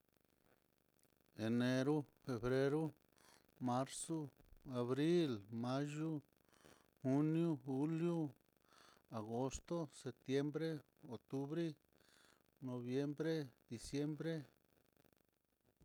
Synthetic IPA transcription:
e˨ne˧ɾu˦fe˨βɾe˦ɾo˦ | ma˦ɾso˦a˨βɾi˦lmã˦ʒu˦ | hu˦nju˦xu˦lju˦ | a˨ɣo˦st̪o˦se˨t̪je˦mbɾe˦ | o˨k̚t̪u˦βɾi˦ | no˨βje˦mbɾe˦d̪i˨sje˦mbɾe˦

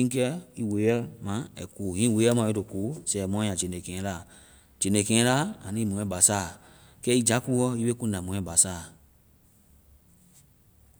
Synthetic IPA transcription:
ĩ˦kɛ˦i˦we˨˦ɛ˦mã˨ɛ̰˨kuː˨hĩ˦we˨˦ɛ˦mã˨jo˦to˨kuː˨˦sɛ˨mɔ̃˦jã˨d͡ʒe˨nẽ˨kɛ̃˨˦la˦˨ | d͡ʒe˨nẽ˨kɛ̃˨˦la˦a˨nĩ˦mũ˨ɛ̃˦ba˨saː˦˨ | kɛ˦i˦d͡ʒa˨˦ku˦wɔ˦i˦be˦kũ˦dã˨mũ˨˦ɛ̃˦ba˨saː˦˨

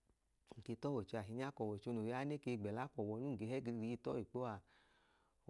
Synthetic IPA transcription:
ŋ̩˨ke˧tɔ˦wɔ˨t͡ʃo˧a˨ɦi˨˧ɲ˦a˦kɔ˨wɔ˨t͡ʃo˧no˨ja˦ne˦ke˧˨ɡ͡bɛ˨la˨˦kɔ˨wɔ˨nu˦ŋ˨ɡe˨˧hɛ˦ɡi˧ɾi˧ɾi˧i˧˦tɔ˦i˨k͡po˦a˨

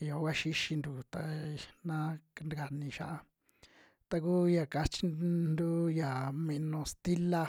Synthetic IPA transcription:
jo˨˦wa˦ʃi˦ʃi˧nd̪u˨t̪a˧nã˦˧n˧ɡa˨nĩ˧ʃa˦ʔa˧ | t̪a˧kuː˦ja˧˨ka˧t͡ʃi˦nd̪u˦ja˨mẽ˧nõ˧st̪i˦la˧

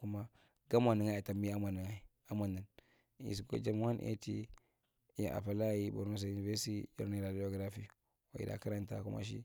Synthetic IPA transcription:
ku˦ma˦ | ɡa˦ma˨ni˨ŋa˦a˨ta˨mbi˦a˦ma˨ni˨ŋa˨i˨˦ | a˦ma˨ni˨n | ḭ˨s̬i˨ko̰˦d͡ʒa˦mu˦ha˦nʔḛ˦tḭ˦ | ja̰˨ʔa̰˨pa˨la˦ji˦bo̰˨ɾno˦s̬a˨ju˨ni˨ve˦sjo̰˦ɾni˦˨ɾa˨di˦o˨ɡɾa˦fi˦˨ | wa˨ḭ˨da̰˨ka˦ɾa˨nta̰˦ku˦mʔa̰˦ʃ̬ḭ˦

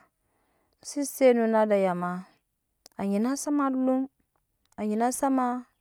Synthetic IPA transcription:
n̩˨si˦se˦nu˨na˦da˨ja˨ma˨˦ | a˨ɲi˨na˦sa˦ma˦lu˦m | a˨ɲi˨na˦sa˦ma˦

